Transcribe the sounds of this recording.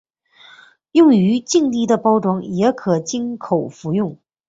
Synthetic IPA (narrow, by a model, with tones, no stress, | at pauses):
jʊ˥˩˧ŋy˧˥t͡ɕi˥˧ŋt̪i˥˩d̪ə˨pɑ˥ʊʈ͡ʂwɑ˧˥ŋjɛ˧˥kʰɤ˨˩t͡ɕi˥nkʰo˨˩ʊfu˧˥jʊ˥˩ŋ